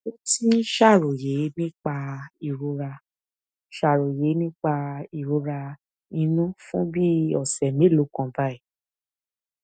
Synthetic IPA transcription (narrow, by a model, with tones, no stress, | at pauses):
o˦ti˦ʃa˦˨ɾo˨je˨˦nĩ˦k͡pa˧i˨ɾo˧ɾa˧ | ʃa˦˨ɾo˨je˨˦nĩ˦k͡pa˧i˨ɾo˧ɾa˧ | nĩ˧nũ˦fũ˦bi˦ɔ˦˨sɛ˨mẽ˨˦˨lo˨˦kã˧ba˦i˦˨